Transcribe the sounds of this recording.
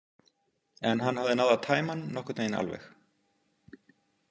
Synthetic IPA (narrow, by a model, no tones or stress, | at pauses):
ɛnɦanːhavðɪnawðat̪ʰaːjmanːɔhkʏ̥t̪aːjɪna̰lvɛ̰x